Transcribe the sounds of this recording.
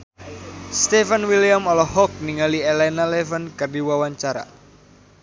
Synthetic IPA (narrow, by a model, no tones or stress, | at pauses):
st̪ɛfənwiliamɔlɔhɔk̚niŋalielɛnalɛvankərdiwawaɲt͡ʃaɾa̰